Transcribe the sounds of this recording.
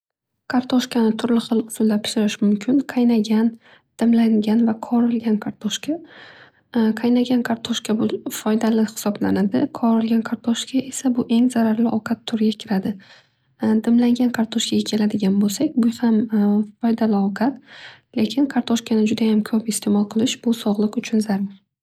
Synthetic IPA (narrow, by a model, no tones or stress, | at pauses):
kʰaɾt̪ʰoʃkʲanɪt̪ʰʊɾlɪχɨlˠʊzʊmd̪apʰɪ̥ʃɪɾɪʃmʊmkʲʰɪnqʰajnaɡʲan | d̪̥ɪmlaŋɡʲanvaqʰɒɾɪlɡʲankʰaɾt̪ʰoʃkʲʰa | qʰajnaɡʲankʰaɾt̪ʰoʃkʲabʊfɒjd̪alɪhɪ̥sɒbla̰nad̪ɪqʰɒɾɪlɡʲanqʰaɾt̪ʰoʃkʰʲaʔe̞sabʊʔe̞ŋzaɾaɾlɪʔɒwqʰɑt̪ʰːʊɾɡʲakʲʰɪɾad̪ɪ | d̪ɪmlaŋɡʲankʰaɾt̪ʰoʃkʲʰaɡʲakʲʰe̞lad̪ɪɡʲanbolˠsakʲbʊhamfɒjd̪alɪɒwqʰɑt̪le̞kʲʰɪnqʰaɾt̪ʰoʃkʰʲanɪd͡ʒʊd̪ajamkʰɵpɪst̪ʰe̞mɒlˠqʰɨlˠɪʃb̥ʊsɒʁlˠɨqʊt͡ʃʰʊnzaɾa